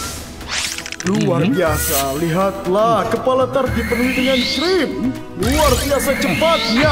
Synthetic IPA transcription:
luarbiasaliɦat̪̚lahkəpalat̪ard̪ipənud̪əŋant͡ʃɾim | luarbiasat͡ʃəpat̪̚ja

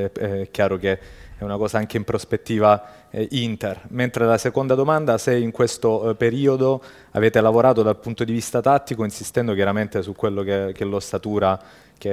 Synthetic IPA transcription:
ɛɛɛkːjaːɾok̟eɛunakɔːzaaŋk̟eimpɾospet̪ːiːva | int̪erment̪ɾelasekond̪ad̪omand̪aseiŋkwest̪opeɾiːod̪o | a̰veːt̪elavoɾaːt̪od̪alpunt̪od̪ivist̪at̪at̪ːikoinsist̪ɛnd̪okjaɾament̪esukwelːokekelːost̪at̪uːɾa | ke

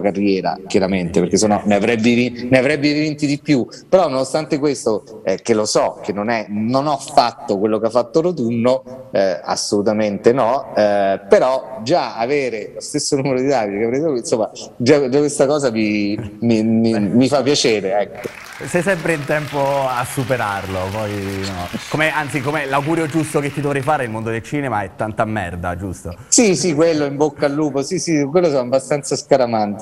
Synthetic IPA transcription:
karːjɛːɾa̰k̟jaɾament̪eperɾk̟es̬ononeavɾɛbːivineavɾɛbːivvint̪id̪ipːju | peɾɔnːonost̪ant̪ekwest̪oɛkelːosɔk̟enːonɛnonɔfːat̪ːokwelːokeafːat̪ːoɾot̪̬unːo | a̰sːolut̪ament̪enɔɛpeɾɔd͡ʒaaveːɾelost̪esːonuːmeɾod̪id̪ad̪ikeavɾɛjt̪oinsomːa | d͡ʒad͡ʒakwest̪akɔːzamimimimifapːjat͡ʃeːɾeɛkːo | sɛjsɛmpɾeint̪ɛmpoasːupeɾarlopɔjinɔkomeant̪sikomelawɡuːɾjod͡ʒust̪oket̪ːid̪ovɾɛjfaːɾeilmond̪od̪elt͡ʃiːnemaɛt̪ːant̪amːɛ̰rd̪a̰d͡ʒust̪osisikwelːoimbokːalːuːposisik̬welːos̬ɔnabast̪ant̪saskaɾamant̪

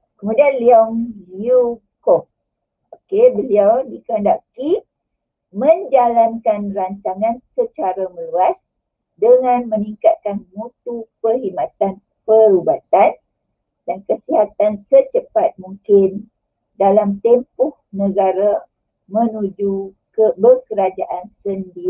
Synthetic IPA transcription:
kəmudianliɔŋliu | kɔk̚ | okebəliawdikndaʔkip | mə̃ɲd͡ʒalankanraɲt͡ʃaŋansət͡ʃaɾamə̃luas | dəŋãnməniŋkat̪̚kanmut̪̚upərhimat̪an | pəɾubat̪an | dankəsiɦat̪ansət͡ʃəpat̪̚muŋkɪn | dalamt̪empʊhnəɡaɾa | mə̃nũd͡ʒu | kəbəkəɾad͡ʒaʔansəndi

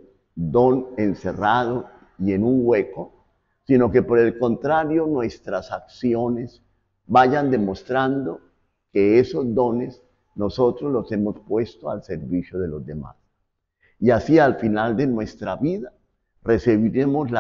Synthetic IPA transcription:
d̪o̞ne̞nse̞raðo̞ | ie̞nuŋɡwe̞ko̞ | sino̞ke̞po̞ɾe̞lko̞nt̪ɾaɾjo̞nwe̞st̪ɾasaksjo̞ne̞s | baʝand̪e̞mo̞st̪ɾand̪o̞ | ke̞eso̞zd̪o̞ne̞s | no̞so̞t̪ɾozlo̞se̞mo̞spwe̞st̪oalse̞ɾβisjoðe̞lo̞zd̪e̞ma̰s | iasialfinald̪e̞nwe̞st̪ɾaβiða | re̞seβiɾe̞mo̞sl

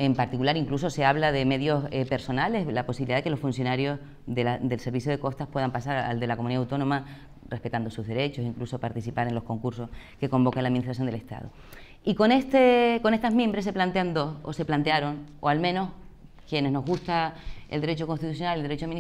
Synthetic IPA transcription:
e̞mpaɾt̪ikulaɾiŋkluso̞se̞aβlaðe̞me̞ðjo̞sepe̞ɾso̞nale̞slapo̞siβiliðaðeke̞lo̞sfunsjo̞naɾjo̞ | ðead̪e̞lse̞ɾβisjoð̞e̞ko̞st̪ahpwe̞ðampasaɾa̰ld̪e̞lakomuniðawt̪o̞nõ̞ma | re̞hpe̞t̪and̪o̞suɦðe̞ɾe̞t͡ʃo̞siŋkluso̞paɾt̪isθipaɾe̞nlo̞hko̞ŋkuɾso̞hke̞ko̞mbo̞kenlaðminiht̪ɾas̬jond̪ele̞ht̪a̰ðo̰ | iko̞nest̪eko̞ne̞st̪aɦmjẽmbɾes̬eplant̪e̞and̪o̞so̰se̞plant̪eaɾo̞ŋo̞almẽno̞s | kje̞ne̞zno̞ɦɣust̪aeld̪eɾe̞t͡ʃo̞konst̪it̪usjonaleld̪ee̞t͡ʃoamini

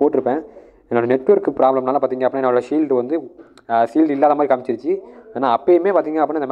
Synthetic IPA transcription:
poːʈːɪɾɯpːẽː | ɛnːoɽɐnɛʈːʋɐɾkɯpɪɾaːblɐmnaːlɐpaːɾt̪iːŋɡɐɐpːɽ̃ɛnːɐoːɽɐsiːlɖʋɐnd̪ɯ | siːlɖɪlːaːðɐmaːdɾikɐmɪt͡ʃːɪɾɯt͡ʃːɯeːnaːɐpːemeːpaːɾt̪iːŋɡɐnaːpːɽ̃ñːɪnd̪ɐm

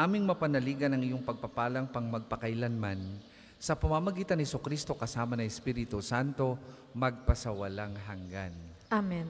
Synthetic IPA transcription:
ʔaːmɪŋmɐpɐnɐliːɡɐnɐŋɪjoŋpɐɡ̚pɐpaːlɐŋpɐŋmɐɡ̚pɐkɐjlanman | sɐpɐmamɐɡiːt̪ɐnhɛsukɾist̪o̞kɐsaːmɐnɐɛspiːɾɪt̪usant̪o̞ | mɐɡ̚pɐsɐwɐlaŋɦɐŋɡa̰n | amɛn

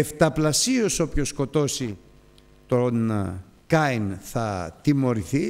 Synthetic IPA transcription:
eft̪ɐplɐsio̞so̞pçosko̞t̪o̞si | t̪on | kɐjnθɐt̪imo̞ɾiθi

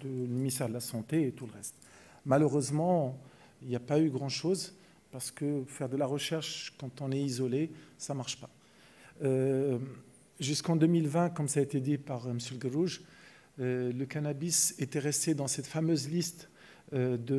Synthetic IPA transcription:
d̪ələminist̪ɛʁd̪əlasɑ̃t̪eːt̪ulʁɛst̪ | maløʁøzmɑ̃ | iljapayɡʁɑ̃ʃoz | paʁsə̥kəfɛʁd̪əlaʁəʃɛʁʃkɑ̃t̪ɔ̃nɛizɔlesamaʁʃpḁ | ø | ʒyskɑ̃d̪ømilvɛ̃kɔmsaet̪ed̪ipaʁməsjəlɡəʁuʒ | øləkanabiset̪ɛʁɛst̪ed̪ɑ̃sɛt̪famøzlist̪ | d̪ə

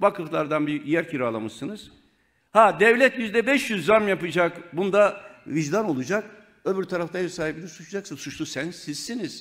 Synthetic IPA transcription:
vakʰɯflˠaɾd̪anbijæɾcʰiɾaːlˠamɯʃsɯnɯz̥ | had̪ɛvlʲɛt̪jyzd̪ɛbɛʃjyzːaɾmjapɯd͡ʒakbunud̪aviʒd̪ano̞lˠud͡ʒak̚ | øbyɾt̪ʰaɾaft̪ajisaːɦip̚ilʲiɾsut͡ʃʰd͡ʒaksɯnsut͡ʃlˠusænsiz̥ːiniz̥

